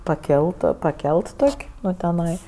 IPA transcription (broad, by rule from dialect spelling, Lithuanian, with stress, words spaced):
pɐˈkʲɛlˠt pɐˈkʲɛlˠt ˈtoːkʲ ˈnʊ tʲɛˈnɐɪ